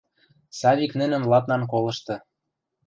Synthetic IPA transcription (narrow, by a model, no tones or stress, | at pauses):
sɑβʲiknɘ̆nə̆mlɑt̪nɑnk̬olɤ̆ʃt̪ɤ̆